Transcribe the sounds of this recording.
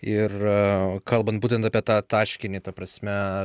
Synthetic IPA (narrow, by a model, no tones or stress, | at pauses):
ɪrkɐlˠbɐnt̪̚buːt̪ʲɛnt̪ɐpʲiɛt̪ɑːt̪ɑːʃʲkʲɪnʲiːt̪ɐpɾɐsʲmʲɛ